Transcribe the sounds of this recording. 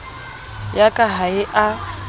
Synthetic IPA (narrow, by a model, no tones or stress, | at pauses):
jakʼaɦaɪʔa